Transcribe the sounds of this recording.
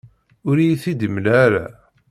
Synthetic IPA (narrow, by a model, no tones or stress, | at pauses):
ʊɾijθid̪əmlæɾa̰